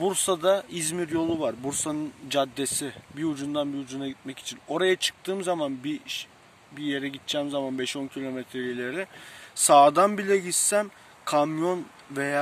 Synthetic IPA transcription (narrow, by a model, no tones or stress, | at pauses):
buɾsad̪aizmiɾjo̞lˠuvaɾbuɾsanɯnd͡ʒad̪ːe̞sibiud͡ʒund̪anbiud͡ʒunaɟit̪mɛci̥t͡ʃʰino̞ɾajat͡ʃʰɯ̥k̚t̪ʰɯːmzamanbiʃ | bije̞ɾɛɟit̪̚t͡ʃʰɛːmzamanbɛʃo̞ncʰilʲo̞mɛt̪ʰɾelilʲe̞ɾɪsaːd̪anbilʲɛɟisæm | kʰamjo̞n | ve̞jaː